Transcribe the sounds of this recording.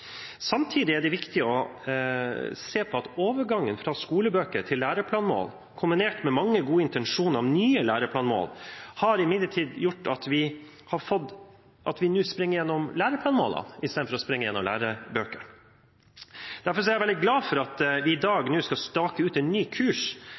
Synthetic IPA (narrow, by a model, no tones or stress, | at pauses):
sɑmt̪ʰiːd̪ɪæɖɛʋɪkt̪ɪəɔ | seːpʰɔɑt̪oːʋəɾɡɑŋːənfɾɑskuːləbøːkəɾʈʰɪlːæːɾəpʰlɑːnmo̰ːl | kʰʊmbɪneːʈmɛmɑŋːəɡuːəɪnt̪ɛnʂuːnəɾɑʋnyːəlæːɾəpʰlɑːnmo̰ːlhɑɾɪmɪd̪lːəʈʰiːd̪jʊʈːɑt̪ʋɪ | hɑɾfɔd̪ | ʔɑt̪ʋɪnʉːspɾɪŋːəjɛnːɔmlæːɾəpʰlɑːnmo̰ːlɑ̰nɪst̪eːd̪fɔɾɔspɾɪŋːəjɛnːɔmlæ̰ːɾəbøːkəɾ | d̪̥æɾfɔɾʂ̬ɔɛjæʋɛld̪ɪɡlɑːfɔɾɑt̪ʋɪɪd̪ɑːɡnʉːskɑlst̪ɑːkəʉːt̪ɛnːyːkʰʉːʂ